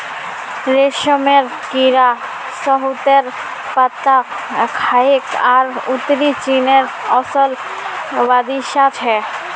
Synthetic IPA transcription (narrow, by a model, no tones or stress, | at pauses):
ɾeʃomeɾ | kiɾa | sɔɦut̪eɾ | pat̪ːa | kʰaikaɾut̪ːɾit͡ɕineɾɔsɔl | bad̪iʃat͡ɕʰɛ